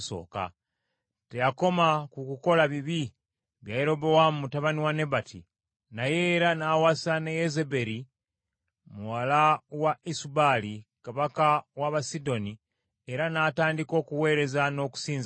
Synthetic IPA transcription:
so̰ːka̰ | tejako̞makukuko̞laβiβi | βjajeɾo̞bowamumutaβaniwane̞βatʰḭ | naje̞ːɾanawasanejezebe̞ɾi | muwalawaisubalikaβakawaβasido̞ni | eɾanaːtaːndiko̞kuwe̞ːɾe̞zano̞ku̥siːnz

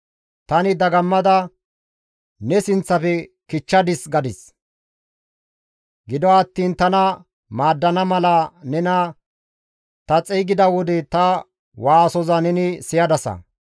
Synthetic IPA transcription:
t̪ɐnɪd̪ɐɡɐmːɐd̪ɐ | nɛsɪnt͡sːɐpɛkɪt͡ʃːɐd̪ɪsɡɐd̪ɪs | ɡɪd̪ɔɐt̪ːiːnt̪ɐnɐ | maːd̪ːɐnɐmɐlɐnɛnɐ | t̪ɐt͡sʼɛjɡɪd̪ɐwɔd̪ɛt̪ɐ | waːsɔzɐnɛnɪsɪjɐd̪ɐsɐ̰

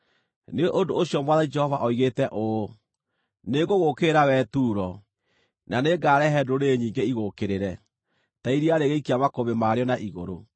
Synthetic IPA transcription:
neoʔondooɕjɔmwaðaid͡ʒɛhɔvaʔɔiɣetɛʔo | neɡoɣokeɾawɛtuːɾɔ | naneɡaːɾɛɦɛdoɾeɲiːŋɡeiɣokeɾeɾɛ | taiɾiaɾeɣeikiamakoβemaɾeɔnaʔiɣoɾo̰

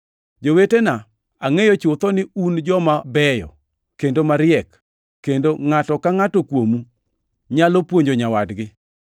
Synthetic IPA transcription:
d͡ʒowetena | aŋejot͡ʃʊt̪ɔnɪund͡ʒɔmabɛjɔ̰ | kendomaɾɪɛk | kːendoŋatɔkaŋatokwomu | ɲalɔpwoɲd͡ʒoɲawadɡɪ

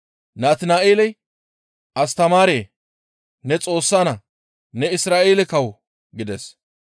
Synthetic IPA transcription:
naːt̪ɪnaːʔeːlɛj | ʔɐst̪ɐmaːɾeː | nɛt͡sʼo̞ːsːaːnɐ | nɛɪsɾaːʔeːlɛkɐw | ɡɪd̪ɛs

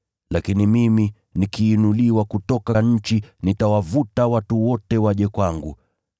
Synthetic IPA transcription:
lakinimimi | nikiːnuliwakutɔkaɲ̩t͡ʃinitawavutawatuwɔtɛwaʄɛkwaŋɡṵ

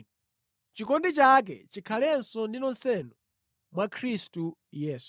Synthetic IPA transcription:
t͡ʃikɔndit͡ʃak̬ɛt͡ʃikʰalɛnsɔndinɔnsɛnu | mwakʰɾistujɛːsu̥

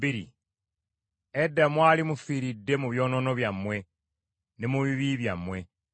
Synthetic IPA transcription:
biɾḭ | edːamwaːlimufiːɾidːe̞muβjo̞ːnono̞βjamwe̞ | nemuβiβiβjamwe̞

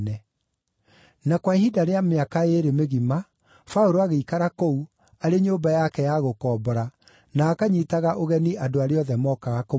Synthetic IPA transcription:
nɛ | nakwaihidaɾeameakaeɾemeɣima | faoɾoaɣeikaɾakou | aɾeɲoːbajakɛjaɣokɔːbɔɾa | naːkaɲitaɣaʔoɣɛniʔadoaɾeɔðɛmɔːkaɣako

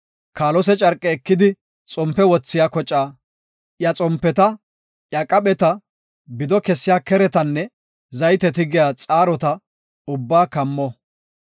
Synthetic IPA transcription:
kaːlɔs̬ɛt͡ʃʼɐɾkʼːɛːkːɪd̪ɪ | t͡sʼɔmpːɛwɔt͡sːɪjaːkɔt͡ʃʼːaː | jɐt͡sʼɔmpːɛt̪ɐ | ʔjɐkʼɐɓɛt̪ɐ | bɪd̪ɔkɛsːɪjaːkɛɾɛt̪ɐnːɛ | zɐjt̪ɛt̪ɪɡɪjaːt͡sʼaːɾɔt̪ɐ | ʊbːaːkɐmːɔ

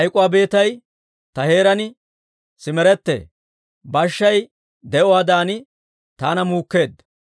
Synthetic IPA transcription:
ʔɐjkʼʊwaːbe̞ːt̪ɐj | t̪ɐhe̞ːɾɐnɪ | sɪmɛɾɛt̪ːḛː | bɐʃːɐj | d̪ɛʔɔwaːd̪aːnɪ | t̪aːnɐmuːkːe̞ːd̪

